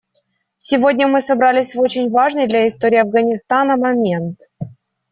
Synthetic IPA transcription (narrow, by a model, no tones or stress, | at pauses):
sʲɪvo̞dʲnʲəmɨsɐbɾalʲɪsʲvo̞t͡ɕɪnʲvaʐnɨjd̪lʲaɪst̪o̞ɾʲɪːɐvɡənʲɪst̪anəmɐmʲe̞nt̪